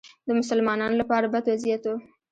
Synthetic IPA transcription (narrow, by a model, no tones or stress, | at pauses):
d̪əmʊsalmɑnɑnolapɑɾabad̪wazijat̪wo